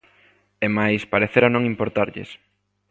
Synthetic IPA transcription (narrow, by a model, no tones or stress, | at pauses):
emajspaɾeθeɾanõŋimpoɾt̪aɾʎḛs